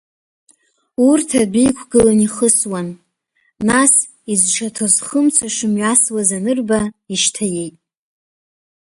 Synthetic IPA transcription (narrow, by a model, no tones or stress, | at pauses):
urtʰabijkʷʰɡɨlaniχəswanː | as | izʈ͡ʂʰatʰozχəmt͡sʷʰaʂɨmɥaswazanɨrbaiʃtʰaje̞jtʼ